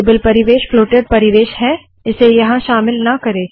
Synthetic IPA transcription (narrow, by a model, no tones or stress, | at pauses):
bəlpɐɾɪʋeːʃfloːʈəɖpɐɾɪʋeːʃɦɛ̃ | ɪsejɐɦãʃaːmɪlnɐkɐɾeː